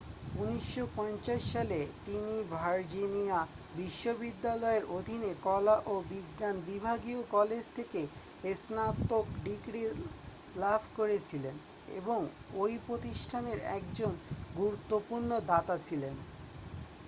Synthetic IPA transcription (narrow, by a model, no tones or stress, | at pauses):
uniʃːopɔnt͡ɕaʃːalet̪inibʱaɾd͡ʑinia | biʃːobid̪ːalɔeɾʔod̪ʱinekɔlaʔobiɡːanbibʱaɡiokɔled͡ʑt̪ʰeke | esnat̪ːokɖikɾi | labʱkoɾet͡ɕʰilen | ḛboŋ | ojpɾot̪iʃʈʰaneɾɛ̰k̚d͡ʑonɡuɾut̪ːopuɾnod̪at̪at͡ɕʰilen